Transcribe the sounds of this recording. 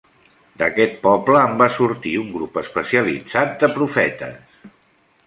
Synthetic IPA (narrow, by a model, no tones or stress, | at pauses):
d̪əkɛt̪̚pɔbləːmbasuɾt̪iuŋɡɾupəspəsiəlḭd͡zat̪̚d̪əpɾufɛt̪ə̰s